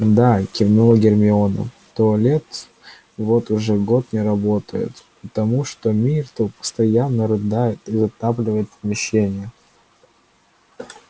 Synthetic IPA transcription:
d̪akʲɪvnulˠəɡʲɪrmʲɪonə̰ | t̪olʲet̪ | vo̞t̪ʊʐɛɡo̞t̪̚nʲɪɾɐbot̪əjɪ̰t̪pət̪ɐmuʂt̪omʲirt̪opə̥st̪ɐjanːəɾɨd̪ajɪt̪izɐt̪aplʲɪvəjɪt̪pəmʲɪɕːenʲɪjə

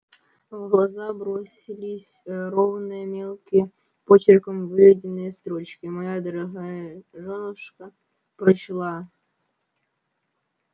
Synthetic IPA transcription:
vɣlˠɐzabɾo̞sʲɪlʲɪsʲɾovnɨjəmʲelˠkʲɪjə | pot͡ɕɪrkəmvɨvʲɪdʲɪnːɨjəst̪ɾo̞t͡ɕkʲɪmɐjad̪əɾɐɦajəʐonəʂkə | pɾɐt͡ɕlˠa

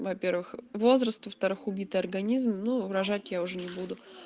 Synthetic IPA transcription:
vɐpʲe̞rvɨxvo̞zɾəst̪vəft̪ɐɾɨxʊbʲit̪ɨjɐrɡɐnʲizmnuɾɐʐatʲjaʊʐɛnʲɪbud̪ʊ

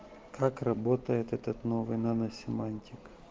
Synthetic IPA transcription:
kʰakrɐbot̪ɐjɪt̪ɛt̪ɐt̪noʋɨjnɐnɐsʲɪmanʲtʲɪk

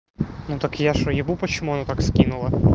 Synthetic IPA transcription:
nut̪akjaʂɔjɪʋupɐt͡ɕɪmuɐnat̪akskʲinʊlˠɐ

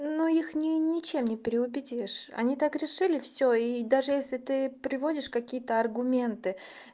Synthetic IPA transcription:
nuixnʲɪnʲɪt͡ɕe̞mnʲɪpʲɾʲɪʊbʲɪdʲiʂɐ̰nʲit̪akɾʲɪʂɨlʲɪfsʲoid̪aʐɨjesʲlʲɪt̪ɨpɾʲɪvodʲɪʂkɐkʲijət̪əɐrɡʊmʲe̞nt̪ɨ

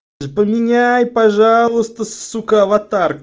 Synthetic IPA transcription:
pəmʲɪnʲæjpaʐalˠɨst̪əssukavat̪ark̚

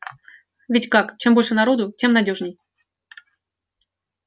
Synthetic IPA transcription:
vʲɪtʲkakt͡ɕembo̞lʲʂɨnɐɾo̞d̪ʊt͡ɕʲe̞mnɐdʲo̞ʐnʲɪj

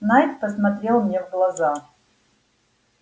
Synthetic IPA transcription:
najt̪pəsmat̪ɾʲelˠmnʲɛvɡlˠaza

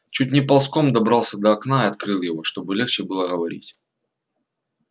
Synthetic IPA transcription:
t͡ɕutʲnʲɪpɐlˠsko̞md̪ɐbɾɑlˠsʲəd̪ɐɐknaɪɐt̪̚kɾɨlˠjɪvo̞ʂt̪o̞bɨlʲext͡ɕɪbɨlˠəɣəvɐɾʲḭtʲ

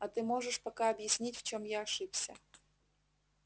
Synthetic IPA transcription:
ɐt̪ɨmoʐɨʂpɐkaɐbjɪsʲnʲitʲft͡ɕomjaɐʂɨpsʲɐ̰

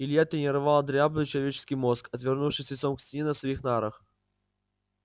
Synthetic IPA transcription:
ɪlʲjat̪ɾʲɪnʲɪɾɐvalˠəd̪ɾʲabnɨjt͡ɕɪlˠɐvʲet͡ɕɪ̥skʲɪjmoskɐt̪vʲɪrnufʂɨsʲɪt̪somksʲtʲɪnʲɛnəsvɐixnaɾəx

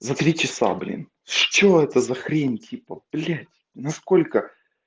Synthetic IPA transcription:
zɐt̪ɾʲit͡ɕɪsa̰blʲḭn | ʂt͡ɕoɛt̪əzɐxɾʲenʲtʲʰipəplʲætʲ | nɐskolʲkə

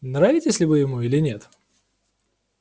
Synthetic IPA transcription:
nɾavʲɪtʲɪsʲlʲɪvɨjɪmuilʲɪnʲet̪

